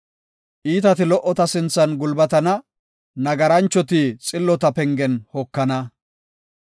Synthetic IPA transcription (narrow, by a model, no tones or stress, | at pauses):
ʔiːt̪ɐt̪ɪlɔʔːɔt̪ɐsɪnt͡sːɐnɡʊlbɐt̪ɐnɐ | nɐɡɐɾɐnt͡ʃːɔt̪it͡sʼɪlːɔt̪ɐpɛŋɡɛnhɔkːɐnɐ